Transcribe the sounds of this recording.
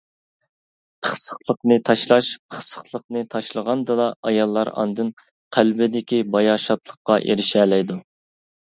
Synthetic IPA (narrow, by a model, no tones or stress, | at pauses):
pʰəχsəχlˠəqnɨt̪ʰɑʃlˠɑʃpʰəχsə̥χlˠəqnɨt̪ʰɑʃlˠəʁɑnd̪ɨd̪ɑɑjɑlˠːɑ̰ɾɑ̰nd̪ɨn | qʰælbɪd̪ɪkʲibɑjɑʃɑt̪lˠəχqːɑʔḛɾɪʃɛːlɛjd̪u